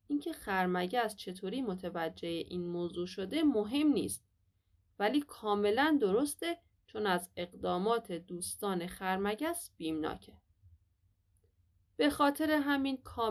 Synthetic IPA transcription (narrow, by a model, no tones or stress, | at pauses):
ʔincʰe̞xæɾmæɟæst͡ʃʰe̞t̪ʰoːɾiːmo̞t̪ʰevæd͡ʒːe̞jeʔiːnmoːzuːʃod̪e̞moɦe̞mnḭːst̪̚ | væliːkʰɒːme̞lænd̪o̞ɾost̪e̞ | t͡ʃʰo̞næze̞ɣd̪ɒːmɒːt̪ʰed̪uːst̪ɒːne̞xæɾmæɟæsb̥iːmnɒ̰ːcʰe̥ | b̥e̞xɒːt̪ʰe̞ɾe̞ɦæminkʰɒː